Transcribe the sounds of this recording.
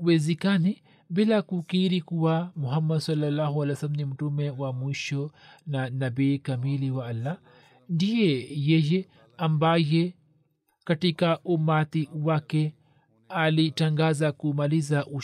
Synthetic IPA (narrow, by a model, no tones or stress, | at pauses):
kuwɛzɛkani | bilakukiɾikuwamuɦamːadsɔlːalːahualɛjɔsalamnim̩tumɛwamwiʃɔnanabiːkamiliwaalːa | ndijɛjɛjɛ | ambajɛ | katikaʔumat̪iwakɛ | alitaŋɡazakumalizaʔu